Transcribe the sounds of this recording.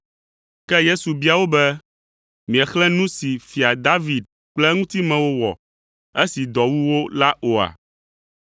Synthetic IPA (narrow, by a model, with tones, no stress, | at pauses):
kɛ˦je˦su˨bi˦a˨wo˦bɛ˦ | mĩ˨ɛ˨xlɛ̃˦nũ˦si˨fi˨a˨d̪a˦vi˨d̪̚ | k͡plɛ˦ŋũ˦t̪i˦mɛ̃˨wo˦wɔ̰˨ | e˦si˨d̪ɔ˨wu˦wo˦la˦ʔo˨a̰˨